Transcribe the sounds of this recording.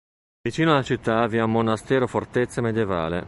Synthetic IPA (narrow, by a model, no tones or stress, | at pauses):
vit͡ʃiːnoalat͡ʃit̪ːaːvjaumonast̪ɛːɾofort̪et̪sːamed̪jeva̰ːlḛ